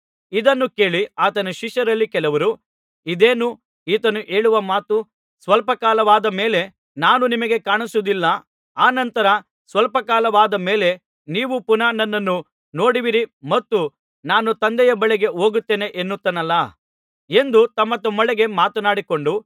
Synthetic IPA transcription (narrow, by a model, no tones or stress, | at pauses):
id̪ɐnːuke̞ːɭiaːt̪ɐnɐʃiʃjɐɾɐlːikɛlɐʋɐɾu | id̪eːnu | iːt̪ɐnuʔe̞ːɭuʋɐmaːt̪u | sʋɐlpɐkaːlɐʋaːd̪ɐme̞ːle̞ | naːnunimɐɡe̞kaːɳisud̪ilːɐ | aːnɐnt̪ɐɾɐ | sʋɐlpɐkaːlɐʋaːd̪ɐme̞ːle̞ | niːʋupunaːnɐnːɐnːu | no̞ːɽiʋiɾimɐt̪ːu | naːnut̪ɐnd̪ɛjɐbɐɭɛɡe̞oːɡut̪ːe̞ːne̞ʔenːut̪ːɐnɐlːɐ | e̞nd̪ut̪ɐmːɐt̪ɔmːɐɭɛɡe̞maːt̪ɐnaːɽiko̞ɳɖu